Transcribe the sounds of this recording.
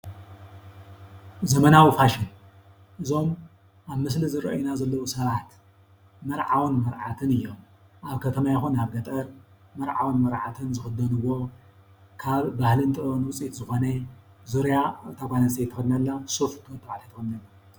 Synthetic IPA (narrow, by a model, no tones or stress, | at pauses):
zɐmɐnawifaʃɪn | ʔɨzo̞m | ʔaβmɨslizɨɾɐ̰ʔjunazɐlːɐwusɐβat̪ | mɐɾʕawnmɐɾʕat̪ʰɨnɨjːo̞m | ʔaβkʰɐt̪ʰɐmajɛxunaβɡɐt̪ʼɐɾ | mɐɾʕawnmɐɾʕat̪ʰɨnzɨxɨd̪ɐnɨwːo̞ | kʰaβbahlɨnt̪ʼɨɾonwʊt͡sʼit̪zɨxo̞nɐ | zuɾjaɨt̪ʰakʷanɐsejt̪ʰːɨxd̪nɐlːasofk̪ʰt̪ʰʼːɐβaʕat̪ʰajt̪ʰːɨxɐd̪nɐlɐ